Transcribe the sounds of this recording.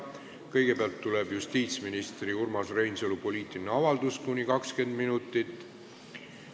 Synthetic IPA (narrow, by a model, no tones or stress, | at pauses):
kɤ̞jɡ̥e̞peɑlt̪ːulebjust̪iːt̪sminist̪riurmɑsrejnsolupo̞liːt̪ˑːiineɑvɑld̪̥uskunʲikɑkske̞nd̪minut̪ːˑit̪ːˑ